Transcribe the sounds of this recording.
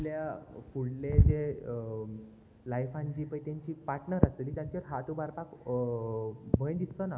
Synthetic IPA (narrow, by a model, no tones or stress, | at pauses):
ljafuɽled͡ze | lajfãɲt͡ɕiːpəjt̪eɲt͡ɕiːpaʈnəɾasəliːt̪jãɲt͡ɕəɾɦat̪ubaɾpak | bʱəjd̪ist̪əna